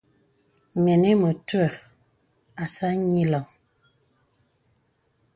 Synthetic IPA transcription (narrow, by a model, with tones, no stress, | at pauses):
mɛ˨ne˦mə˨twə˨ | a˨sa˦ɲi˦lɔ˨ŋ